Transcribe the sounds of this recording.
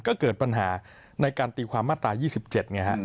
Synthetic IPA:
kɔː˥˩kɤː˨˩t̪̚pa˧nɦaː˩˦ | na˧jkaː˧nt̪iː˧kʰwaː˧mːaː˥˩t̪ɾaː˧jiː˥˩si˨˩p̚t͡ɕe˨˩t̪̚na˧˥˩kʰa˦˥ʔ

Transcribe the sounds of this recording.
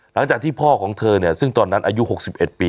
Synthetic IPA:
la˩˦ŋt͡ɕaː˨˩k̪̚ʰiː˥˩pʰɔː˥˩kʰɔː˩˦ŋt̪ʰɤː˧ni˥˩ɐsɯ˥˩ŋt̪ɔː˧nːa˦˥nʔaː˧ju˦˥ɦo˨˩k̚si˨˩p̚ʔe˨˩t̪̚piː˧

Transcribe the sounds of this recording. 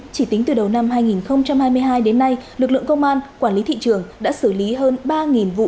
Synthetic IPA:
t͡ɕi˧˩t̪ï˨˦ŋ̟t̪ɨ˨˩ɗə˨˩wna˧mɦaː˧jŋi˨˩nxə˧wŋ͡mt͡ɕa˧mhaː˧jmɨ˧əjɦaː˧jɗe˨˦nːa˧jlɨ˨˩k̚lɨ̰˧˨əŋkə˧wŋ͡mʔaː˧nkwaː˧˩nli˨˦t̪ʰḭ˧˨t͡ɕɨ˨˩əŋɗa̰ː˧˥sɨ˧˩li˨˦ɦəː˧nɓaː˧ŋi˨˩nvṵ˧˨

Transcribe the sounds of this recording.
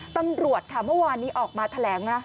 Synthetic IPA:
t̪a˧mɾu˨˩ət̪̚kʰa˥˩mɯ˥˩əwaː˧nːiː˦˥ʔɔː˨˩k̚maː˧t̪ʰa˧lɛː˩˦ŋna˦˥

